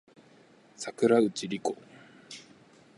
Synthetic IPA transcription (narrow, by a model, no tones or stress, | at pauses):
sakɯ̟ɾaɯ̟t͡ɕiɾʲiko